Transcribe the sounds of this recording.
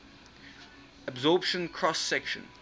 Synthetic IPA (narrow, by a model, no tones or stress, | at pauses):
əbzɔːpʃə̃nkʰɹɔsːɛkʃə̰̃n